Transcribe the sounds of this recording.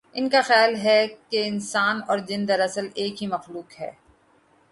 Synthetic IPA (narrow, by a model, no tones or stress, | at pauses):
ɪnkaxɛːlɦɛkeɪnsaːnɔːɾd͡ʒɪ̃nd̪ɐɾɐsəleːkɦimɐxluːkɦɛ̰ː